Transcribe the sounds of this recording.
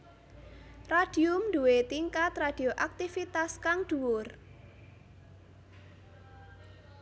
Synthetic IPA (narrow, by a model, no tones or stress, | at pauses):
rad̥iʊmd̪uwet̪iŋkat̪rad̥i̤oʔak̚t̪ifit̪askaŋɖ̪̥uwʊr